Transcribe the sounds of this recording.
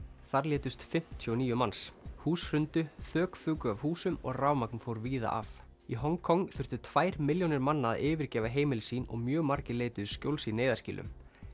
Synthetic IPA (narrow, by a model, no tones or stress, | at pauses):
θaɾljɛːt̪ʏst̪fɪm̥t̪ʰjuɔniːjʏmanshuːsr̥ʏnt̪ʏθœːkfʏːkʏavhuːsʏmɔ̰ɣraːwmaknfoːwɾviːða̰ʔa̰f | iɦɔŋkʰɔŋθʏr̥t̪ʏt̪ʰv̥aːjɾmɪljownɪɾmanːaa̰ɪːvɪɾcɛːvaɦeːjmɪlɪsiːnɔ̰ɣmjœːɣmaɾcɪleːjt̪ʏðʏscowlsineːjðascḭːlʏ̰m